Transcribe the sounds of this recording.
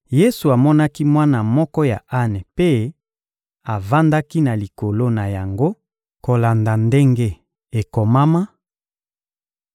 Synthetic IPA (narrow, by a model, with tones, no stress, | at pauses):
je˦su˨a˨mɔ˦na˦ki˦mwa˦na˨mɔ˦kɔ˦ja˨ʔa˦ne˨pe˦ | a˨va˦nda˦ki˦na˨li˨ko˨lo˦na˨ja˨ŋɡo˦ | ko˨la˨nda˨nde˦ŋɡe˦ | e˨ko˨ma˦ma˦